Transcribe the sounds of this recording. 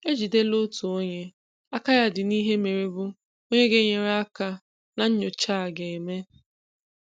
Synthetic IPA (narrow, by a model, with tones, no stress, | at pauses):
e˦d͡ʒi˨de˦lo˦tu˨o˦ɲe˦ | a˦ka˦ja˦dɪ˨ni˦ɦe˦me˨ɾi˦bʊ˦ | o˦ɲe˦ɡe˦ɲe˨ɾa˦ka˦ | na˦ɲ̩˦ɲʊ˨t͡ʃa˦˨ɡe˨e˨me˦